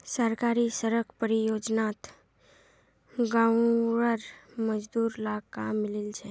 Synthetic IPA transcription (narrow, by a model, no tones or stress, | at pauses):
səɾkaɾisəɾəkʰpəɾijod͡ʒnat̪ | ɡaɾəɾməd͡ʒd̪uːɾlakamːɪlilt͡ʃʰe